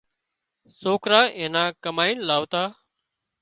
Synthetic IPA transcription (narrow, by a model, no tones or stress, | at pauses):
soːkɾaːʔẽːnãːkəmaːiːnlaːʋt̪aː